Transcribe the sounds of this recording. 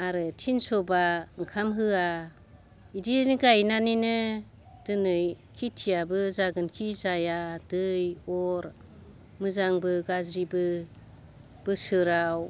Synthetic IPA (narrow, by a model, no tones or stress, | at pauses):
aɾɯtʰinsɔbaŋkʰamɦɯa | idinɡajnaninɯ | d̥ɯnɯjkʰitʰijabɯzaɡɯnkʰizajadɯjɔɾ | mɯzaŋbɯɡazɾibɯ | b̥ɯsɯɾaw